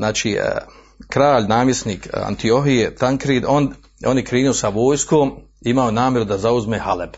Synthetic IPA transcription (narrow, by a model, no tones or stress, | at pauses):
naːt͡ʃiː | kɾaːʎnaːmje̞sniːka̰nt̪io̞ɦijet̪aŋkɾiːd̪on | o̞ːnjekɾiːniosaʋo̞ːjskoːmiimaonaːmjeɾud̪azauzmeːhaleb